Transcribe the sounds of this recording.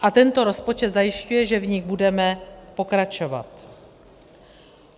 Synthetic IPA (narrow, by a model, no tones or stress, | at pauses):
ʔat̪ɛnt̪o̞ɾo̞spo̞t͡ʃɛt̪zajɪʃcujɛʒɛvɲɪɡbudɛmɛpo̞kɾat͡ʃo̞va̰t̪